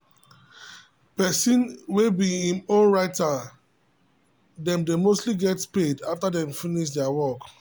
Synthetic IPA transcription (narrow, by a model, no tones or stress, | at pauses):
pɛsĩnwebiĩmõnɹaɪta | dɛ̃mdemostliɡɛtpedaftadɛ̃mfiniʃ̬dɛawɔk